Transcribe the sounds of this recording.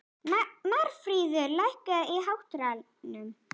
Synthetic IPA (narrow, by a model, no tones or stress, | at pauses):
maɾ̥fɾiːðʏɾlajhkaiɦawht̪ɾal | nʏm